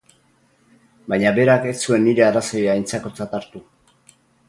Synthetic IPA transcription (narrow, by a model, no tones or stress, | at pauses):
bajɲabe̞ɾakesue̞nːiɾe̞araso̞jajnt͡sako̞t͡sat̪aɾt̪u